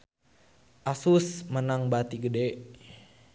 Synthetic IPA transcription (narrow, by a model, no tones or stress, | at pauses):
ʔasusmənaŋbat̪iɡədeʔ